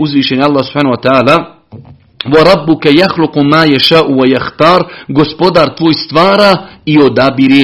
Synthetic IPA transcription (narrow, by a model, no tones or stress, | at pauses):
uzʋiːʃenjalˠːaːhsu̥pħaːnhuwat̪ɛaːla | waɾˤɑbːʊkajaxlʊqmaːjaʃaːʔuwajaxt̪aːɾɡospod̪aːɾt̪ʋoːjst̪ʋaːɾaiod̪aːbiɾeː